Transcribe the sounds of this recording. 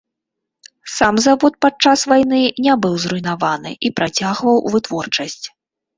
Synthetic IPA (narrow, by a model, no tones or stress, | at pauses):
samzavɔt̪̚pat͡ʂasvajn̪ɨnʲabɨwzɾujnavanɨ̰ʔipɾat͡sʲaɣvɐwvɨt̪vɔrt͡ʂɐsʲt͡sʲ